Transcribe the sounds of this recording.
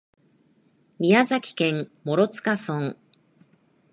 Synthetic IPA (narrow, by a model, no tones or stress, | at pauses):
mʲijazakʲi̥kẽ̞mmo̞ɾo̞t͡sɨ̥kasõŋ